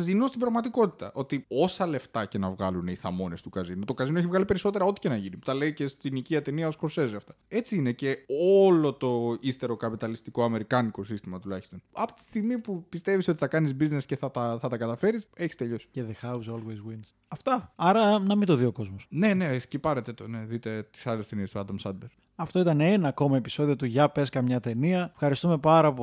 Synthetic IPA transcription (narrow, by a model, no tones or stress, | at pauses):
ɐzðinust̪ibɾɐɣmɐt̪iko̞t̪i̥t̪ɐ̰ʔo̞t̪io̞sɐle̞ft̪ɐce̞nɐvɣɐluneiθɐmo̞ne̞st̪ukɐzinut̪o̞kɐzinoeçivɣɐlipe̞ɾiso̞t̪e̞ɾɐo̞t̪i̥ce̞nɐʝiniut̪ɐle̞ice̞st̪iniciɐt̪e̞niɐoskoɾse̞zɐft̪ɐ̥e̞t͡siine̞ce̞olo̞t̪o̞ist̪e̞ɾo̞kɐpit̪ɐlist̪iko̞ɐme̞ɾikɐniko̞sist̪imɐt̪ulɐçi̥st̪o̞nɐpo̥t̪i̥st̪iɣmipupist̪e̞viso̞t̪i̥θɐkɐnizbiznesce̞θɐt̪ɐθɐt̪ɐkɐt̪ɐfe̞ɾise̞çi̥st̪e̞ʎo̞si̥ceðexawzolwezwins | ɐft̪ɐɐɾɐnɐmind̪o̞ðio̞ko̞zmosne̞ne̞scipɐɾet̪et̪one̞ðit̪e̞t̪i̥sɐle̞st̪eniest̪oɐd̪ɐmsɐd̪beɾ | ɐft̪o̞it̪ɐnenɐːko̞mɐe̞pi̥so̞ðiot̪uʝɐpe̞skɐmɲɐt̪e̞niɐfxɐɾist̪ume̞pɐɾɐp